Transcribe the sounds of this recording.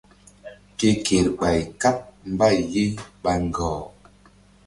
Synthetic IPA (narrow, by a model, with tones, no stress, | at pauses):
ke˦ke˨ɾɓa˨jka˦p̚m̩˦ba˦˨je˦ɓa˦ŋ̩˨ɡɔː˨